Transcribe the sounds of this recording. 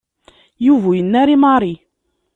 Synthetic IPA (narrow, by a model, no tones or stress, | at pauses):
juvujənːæɾimɑɾˤi